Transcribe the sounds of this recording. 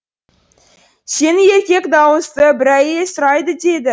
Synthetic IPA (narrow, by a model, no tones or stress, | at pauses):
se̞nɪje̞ɾkʲe̞kd̪ɑwəst̪əbɪɾæjesʊɾɑjd̪əd̪e̞d̪ɪ